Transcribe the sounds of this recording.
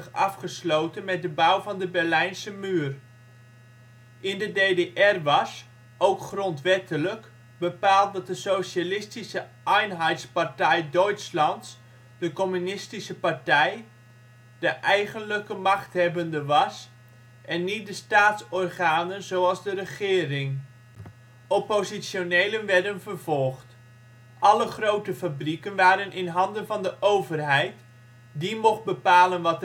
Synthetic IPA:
χɑfχəslowtənmɛt̚dəbawvɑndəbɛrlɛjnsəmyːr | ʔɪndədejdeʔɛrʋɑs | ʔowkχrɔntʋɛtələk | bəpaːlˠt̚dɑt̚dəsowʃalɪstisəʔɛjnɦɛjtspartɛjdœɥtslɑnts | d̥əkɔmynɪstisəpartɛj | dəʔɛjχənləkəmɑχthɛbəndəʋɑs | ʔɛnːit̚dəstaːtsɔrχaːnənzowɑlˠzdərəχɪːrɪŋ | ʔɔpozisjonejlənʋɛɹdənvərv̥ɔlˠχt | ʔɑləχrowtəfabrikənʋaːɾənʔɪnɦɑndənvɑndəʔowvərɦɛjt | dimɔχt̚bəpaːlənʋɑt

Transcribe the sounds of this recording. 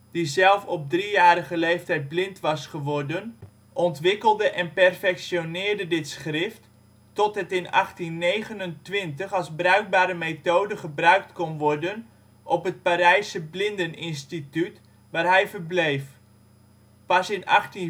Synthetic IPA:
d̥izɛlˠfɔb̚drijaːɾəɣəlejftɛjt̚blɪntʋɑsχəʋɔrdən | ʔɔntʋɪkəlˠdəʔɛnpɛrfɛksjonɪːrdədɪtsχrɪft | tɔtɦətɪnɑ̰χtinːejɣənəntʋɪntəχɑlˠzbrœɥk̚baːɾəmeːtoːdəχəbrœɥk̚tkɔnʋɔrdən | ʔɔpɦət̚paɾɛjsəblɪndənɪnstityt | ʋaːrɦɛjvərblejf | pɑsɪnɑ̰χti

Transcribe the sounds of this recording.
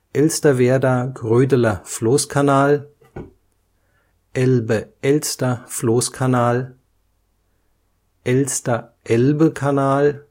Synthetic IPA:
ʔɛlstɐʋeːɐdɐɡʁøːdəlɐfloːskʰanaːl | ʔɛlbəɛlstɐfloːskʰanaːl | ʔɛlstɐʔɛlbəkʰanaːl

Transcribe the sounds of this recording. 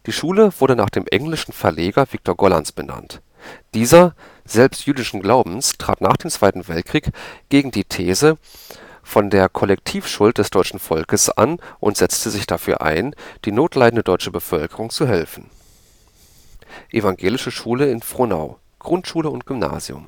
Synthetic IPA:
d̥iːʃuːləvʊɐdəna̰ːχd̥eːmʔɛŋlɪʃn̩fɛɐleːɡɐvɪk̚tʰoːɐɡɔlansb̥əna̰nt | d̥iːzɐ | z̥ɛlpstjyːdɪʃn̩ɡlaʊbm̩stʁ̥a̰ːtna̰ːχd̥eːmt͡sv̥aɪtn̩vɛlt̚kʁ̥iːkɡ̥eːɡŋ̩diːtʰeːzə | fɔndeːɐkʰɔlɛk̚tʰiːfʃʊlt̚d̥ɛsd̥ɔʏt͡ʃn̩fɔlkəsʔa̰nʔʊntz̥ɛt͡stʰəzɪçd̥afyːɐʔa̰ɪnd̥iːnoːtʰlaɪdn̩dədɔʏt͡ʃəbəfœlkəʁʊŋt͡suɦɛlfn̩ | ʔevaŋɡeːlɪʃəʃuːləɪnfʁ̥ona̰ʊ | ɡ̥ʁʊntʃuːləʊnt̚ɡ̥ʏmna̰ːzḭʊ̰m

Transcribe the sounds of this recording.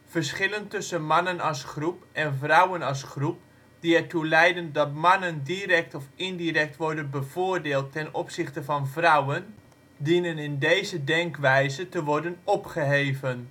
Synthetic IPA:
v̥əɹsχɪləntɵsənmɑnənɑlˠsχrupʔɛnvrʌwənɑlˠsχrup̚ | d̥iɛɹtulɛjdəndɑtmɑnəndirɛk̚tɔfɪndirɛk̚tʋɔɹdənbəvʊːɹdeːlˠtːɛnɔpsɪχtəvɑnvrʌwən | dinənɪndejzədɛŋkʋɛjzətəʋɔɹdənɔpχəɦeːvən

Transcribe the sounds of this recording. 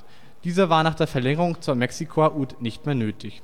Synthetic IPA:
d̥iːzɐvaːɐnaːχd̥eːɐfɛɐlɛŋəʁʊŋt͡suːɐmɛksikʰoaʔuːtnɪçtmeːɐnøːtʰɪç

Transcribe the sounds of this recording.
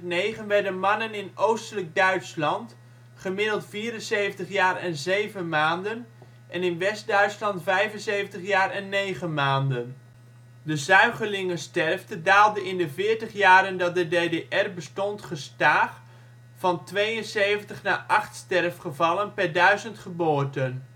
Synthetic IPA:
nejχənʋɛɹdənmɑnənɪnowstələɡ̚dœɥtslɑnt | χəmɪdəlˠtfiːɾənsejvəntəχjaːrɛnzejvənmaːndən | ʔɛnɪnʋɛsdœɥtslɑntfɛjvənsejvəntəχjaːɹɛnːejχənmaːndən | dəzœɥχəɹlɪŋəstɛrftədaːlˠdəɪndəvɪːɹtəχjaːɾəndɑt̚dədejdeʔɛrbəstɔntχəstaːχ | fɑntʋejənsejvəntəχnaːʔɑχtstɛrfχəvɑlənpɛɹdœɥzəntχəbʊːɹtən

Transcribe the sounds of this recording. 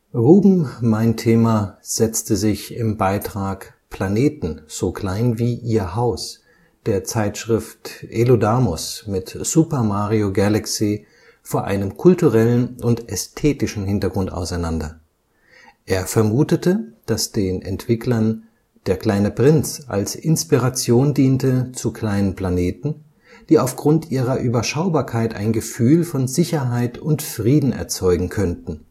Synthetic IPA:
ʁuːbm̩maɪntʰeːmaz̥ɛt͡stəzɪçɪmbaɪtʁ̥aːk | pʰl̥aneːtn̩z̥oːkʰl̥aɪnviːʔiːɐhaʊs | d̥eːɐt͡saɪtʃʁ̥ɪftʔelodaːmɔsmɪtz̥upɐmaːʁioɡalaksi | foːɐʔa̰ɪnəmkʰʊltuʁɛlənʔʊntɛstʰeːtɪʃn̩hɪntɐɡʁʊnta̰ʊsaɪnandɐ | ʔeːɐfɛɐmuːtətəd̥asd̥eːnʔɛ̰ntv̥ɪkʰlɐn | d̥eːɐkl̥aɪnəpʁ̥ɪnt͡sa̰lsʔɪnspiʁat͡sjoːndiːntət͡sukʰl̥aɪnənpl̥aneːtn̩ | d̥iːaʊfɡ̥ʁʊntʔiːʁ̞ɐʔyːbɐʃaʊbaːɐkʰaɪta̰ɪnɡəfyːlfɔnzɪçɐɦaɪtʊntfʁ̥iːdn̩ɛ̰ɐt͡sɔʏɡŋ̩kʰœntn̩

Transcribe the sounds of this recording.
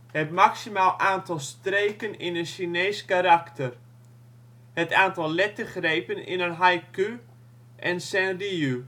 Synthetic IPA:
hɛp̚maksimaːlˠaːntɑlˠstreːkənɪnənʃinejskaɾaktər | hətaːntɑlˠlɛtəχrejpənɪ̰nənɦajky | ʔɛnsɛnriu

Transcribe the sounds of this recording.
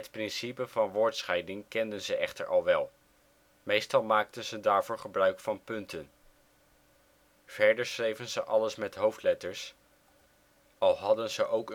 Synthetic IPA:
ɦətprɪnsipəvɑnʋʊːɹtsχɛjdɪŋkɛndənzəʔɛχtə̰ɹʔɑlˠʋɛlˠ | mejstɑlˠmaːk̚tənzədaːɹvʊːɹχəbrœɥkfɑnpɵntʰən | v̥ɛɹdəɹsrejvənzəʔɑləsmɛtɦowftlɛtəɹs | ɑlˠɦɑdənzəʔowkə

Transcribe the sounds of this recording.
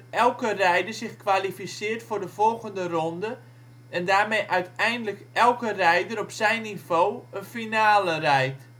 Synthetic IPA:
ɛlˠkərɛjdərzɪχkʋalifisɪːrtfʊːrdəvɔlˠɣəndərɔndə | ɛndaːrmejʔœɥtɛjndələkɛlˠkərɛjdəɾɔpsɛjnːivoːənfinaːlərɛjt

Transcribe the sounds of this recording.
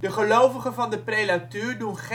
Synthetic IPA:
dəχəlowvəχəvɑndəprejdatøːɹdunχ

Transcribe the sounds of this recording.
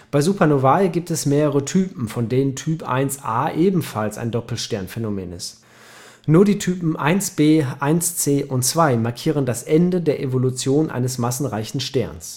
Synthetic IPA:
b̥aɪzuːpʰɐnovalɡiːp̚tɛsmeːʁəʁ̞ətʰyːpm̩fɔndeːnəntʰyːpʔa̰ɪnsʔaːʔeːbm̩falsa̰ɪndɔpl̩ʃtɛɐnfɛnomɛ̰ːnɪ̰st | nuːɐdiːtʰyːpm̩ʔa̰ɪnsb̥eːʔaɪnst͡seːʔʊntt͡sv̥aɪmaɐkʰiːʁ̞əndasʔɛndədeːɐʔevolut͡sjoːnʔa̰ɪnəsmasn̩ʁaɪçn̩ʃtɛɐns

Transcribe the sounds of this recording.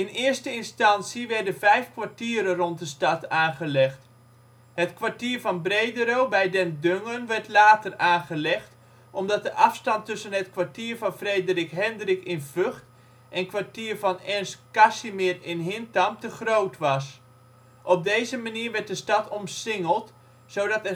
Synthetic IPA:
ɪnɪəɹstəɪnstɑnsiʋɛɹdənvɛjfkʋaɹtiːɾərɔntdəstɑtaːnχəlɛχt | ɦətkʋaɹtiːɹvɑnbrejdəɾowbɛjdɛndøŋənʋɛɹtlaːtəraːnχəlɛχt | ʔɔmdɑt̚dəʔɑfstɑntɵsənətkʋaɹtiːrvɑnfrejdərɪkɦɛndrɪkɪnvøχt | ʔɛnkʋaɹtiːrvɑnɛnskasimɪrɪnɦɪntamtəχrowtʋɑs | ʔɔp̚dejzəmaniːɹʋɛt̚dəstɑtʰɔmsɪŋəlˠt | sowdɑtɛ

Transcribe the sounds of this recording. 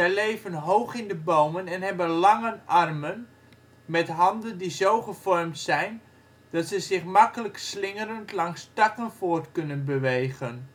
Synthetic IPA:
ɛjlejvənɦowχɪndəbowmənɛnɦɛbənlɑŋənʔɑrmən | mɛtɦɑndəndizowχəv̥ɔrmtsɛjn | d̥ɑtsəzɪχmɑkələkslɪŋəɾəntlɑŋstɑkənfoːrtkɵnənbəʋejɣən

